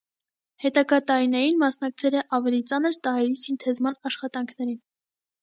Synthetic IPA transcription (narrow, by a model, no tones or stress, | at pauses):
hɛt̪ɑɡɑt̪ɑɾinɛjinmɑsn̪ɑk̚t͡sʰɛlɛʔɑvɛlit͡sɑnəɾt̪ɑɦɛɾisint̪ʰɛzmɑnɑʃχɑt̪ɑŋkʰnɛɾin